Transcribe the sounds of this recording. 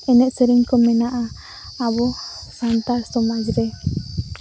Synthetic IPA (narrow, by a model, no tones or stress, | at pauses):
ɛnɛʔsəɾɛŋkɔmɛnaʔa | abɔ | sant̪aɾsɔmad͡ʒɾɛ